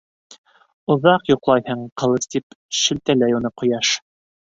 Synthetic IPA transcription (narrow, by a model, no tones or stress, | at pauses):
ŏðɑqjoqlˠɑjhɤɴqɤ̆lˠɤst̪ipʃɘ̆lt̪ælæjunɤqŏjɑʃ